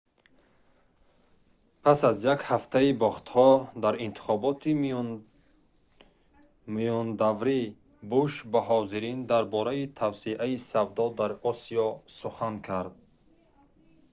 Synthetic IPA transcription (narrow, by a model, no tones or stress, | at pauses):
pʰasazjakhaft̪ʰaibɔχt̪hɔd̪aɾint̪ʰi̥χɔbɔt̪i | mijɔnd̪avɾi | buʃbaɦɔziɾind̪aɾbɔɾait̪ʰavsiʔaisavd̪ɔd̪aɾɔsiɔsuχankʰaɾd̪̚